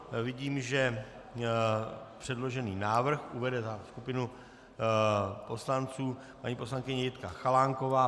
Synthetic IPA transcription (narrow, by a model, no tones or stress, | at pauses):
vɪɟiːmʒɛ | pr̥ɛdlo̞ʒɛniːnaːvr̩xʔuvɛdɛzaskupɪnu | po̞slant͡suː | paɲiːpo̞slaŋkɪɲɛjɪt̪kaxalaŋko̞vaː